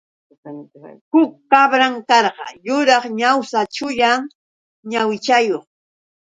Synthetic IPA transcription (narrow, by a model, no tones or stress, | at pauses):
hʊkːabɾaŋkɑɾɢɑ̰jʊɾɑχɲawsat͡ʃʊʎaŋ | ɲawɪt͡ʃajoχ